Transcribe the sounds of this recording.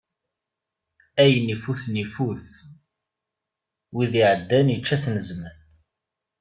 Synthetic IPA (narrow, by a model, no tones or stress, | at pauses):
æjənifuθnifuθ | wiðiʕəd̪ːænjət͡ʃːæθnəzmən